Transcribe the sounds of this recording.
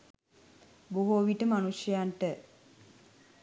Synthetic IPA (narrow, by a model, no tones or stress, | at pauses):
boɦoːʋiʈəmanuʃjɐjanʈə